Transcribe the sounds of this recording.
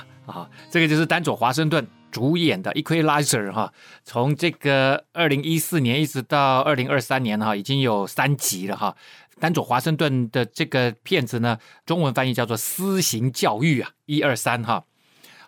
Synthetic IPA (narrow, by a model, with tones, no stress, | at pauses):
ɔ˥˩ʈ͡ʂɤ˥˩ɡə˩t͡ɕjo˥˧ʊʂɻ̩˥˩t̪a˥nt͡swɔ˨˩xwa˧˥ʂ̬ɤ˥˧ŋt̪̬wə˥˩n | ʈ͡ʂu˧˥jɛ˨˩nd̪ə̰˦ʔi˥kʰwe˥ɪla˥ɪsə˨˩xɔ˥˩t͡sʰʊ˧˥ŋʈ͡ʂɤ˥˩ɡə˩ə˞˥˩li˧˥ŋi˥sɹ̩˥˩njɛ˧˥ni˥˩ʈ͡ʂɻ̩˧˥t̪ɑ˥˧ʊə˞˥˩li˧˥ŋə˞˥˧˩sa˥njɛ˧˥nxɔ˥˩i˨˩t͡ɕi˥ŋjo˨˩ʊsa˥nt͡ɕi˧˥lə˧xɔ˥˩ | t̪a˥nt͡swɔ˨˩xwa˧˥ʂɤ˥˧ŋt̪wə˥˩nd̪ə˩ʈ͡ʂɤ˥˩ɡə˩pʰjɛ˥˩nd͡zɹ̩˨˩nə˩ʈ͡ʂʊ˥ŋwə˧˦˥nfa˥n˥˧t͡ɕjɑ˥˧t͡s̬wɔ˥˩sɹ̩˥ɕi˧˥ŋt͡ɕjɑ˥˧ʊy˥˩ɐ˨˩i˥ə˞˥˧sa˥nxɔ˥˩